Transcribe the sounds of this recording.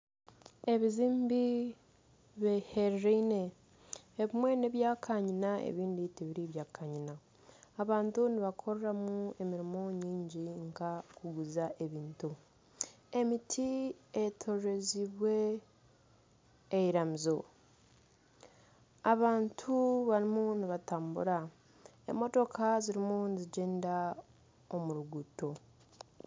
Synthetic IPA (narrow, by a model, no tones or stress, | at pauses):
e̞βiziːmbi | βeheɾɾeine̞ː | βimwe̞neβjaːkʰaɲinaḛβiːnditeβiɾiβjaːkaɲinaː | βaːntuniβakʰo̞ɾɾamue̞miɾimo̞ɲiːɲɟiŋkakuɡuzaʔe̞βiːntu | emitʰietʰo̞ɾe̞ziβwe̞ | jiɾamizo̞ | aβaːntʰuβaɾimuniβataːmbṵɾa | ḛmːo̞to̞kʰaziɾimuniziɟeːnda | omuɾuɡuto̞